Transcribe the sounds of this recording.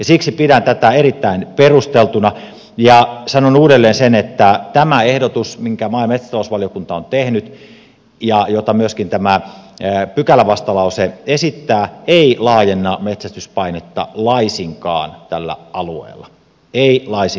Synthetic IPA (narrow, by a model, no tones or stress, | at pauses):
jɑsiksipiɾænt̪æt̪æeɾit̪ːæinperust̪elt̪unɑ | jɑsɑnonuːdelːeːnsenet̪ːæt̪æmæehdot̪usmiŋkæmɑimet̪sæ̥t̪ɑlousʋɑlijokunt̪ɑont̪ehnyt̪ | jɑjot̪ɑmyøskint̪æmæ | pykælæʋɑst̪ɑlɑuseesit̪ːæːeilɑːjenːɑmet̪sæst̪yspɑinet̪ːɑ̰lɑisiŋkɑ̰ːnt̪ælːæ̰ɑluḛːlːˑɑ | eilɑisi